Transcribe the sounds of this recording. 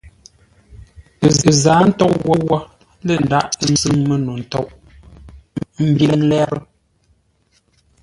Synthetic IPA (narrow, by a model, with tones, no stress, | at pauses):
zaː˨˦n̩˦tɔ˦ʔwɔ˦wɔ˦ | le˦˨n˨da˦˨ʔn̩˦zɨ˦ŋme˨no˨n̩˨tɔ˦˨ʔ | m̩˦bje˨n˦lɛ˦ɾ